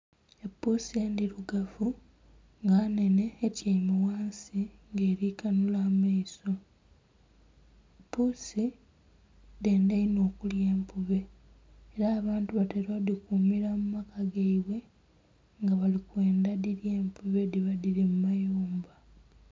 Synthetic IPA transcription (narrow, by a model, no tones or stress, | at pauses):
epːusieːndiɾuɡafu | ŋɡaːne̞ne̞ːtjaimiwaːnsiŋɡe̞ːɾiːkanulaːmaiso̞ | epːusi | de̞ːndeino̞ːkulje̞ːmpuβe̞ː | ɾaːβaːntuβateɾoðikuːmiɾamumakaɡeiβwe̞ | ŋɡaβalikwe̞ːndaðiɾje̞ːmpuβe̞diβaðiɾimumajuːmba